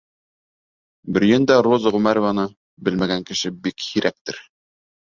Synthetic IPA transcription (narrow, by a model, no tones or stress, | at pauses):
bɘ̆ɾ̆jɘnd̪æɾozʁʉmæɾŏvɑnɤ | bɘlmæɡæŋkɘ̆ʃɘbikhiɾæk̚t̪ɘɾ